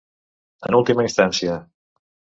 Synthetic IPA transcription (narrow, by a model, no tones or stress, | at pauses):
ənulˠt̪iməinst̪ansiə